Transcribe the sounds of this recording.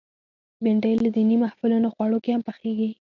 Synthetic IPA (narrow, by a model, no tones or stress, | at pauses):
bɪɳɖəjlad̪inimahfɪlunoxwɑɽokehampəxeɡi